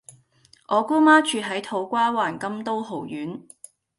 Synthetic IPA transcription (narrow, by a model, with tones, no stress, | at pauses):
ʔɔː˨˧kuː˥maː˥t͡ʃʰyː˧t̚ɦɐ˨˥jt̪ʰo˨˥wkʷaː˥waː˨˩nkɐ˥mt̪o˥wɦo˨˩wjyː˨˥n